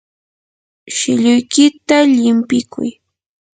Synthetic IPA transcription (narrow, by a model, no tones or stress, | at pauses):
ʃɪʎʊjkɪt̪aʎɪmpɪkʰʊ̰j